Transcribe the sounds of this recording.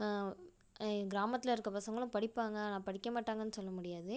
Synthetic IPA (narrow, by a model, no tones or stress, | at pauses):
ɡɪɾaːmɐt̪ːɪlɐɪɾɯkːɐpɐsɐŋɡɐɭʊ̃pɐɽɪpːaːŋɡɐnãːpɐɽɪkːɐmaːʈːaːŋɡɐnːɯsɔlːɐmʊɽɪjaːðɯ